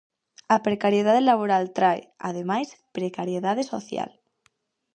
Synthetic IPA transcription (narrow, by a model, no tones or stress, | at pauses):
apɾekaɾjeðaðelaβ̞oɾalt̪ɾaḛa̰ð̞emajspɾekaɾjeðað̞esoθja̰l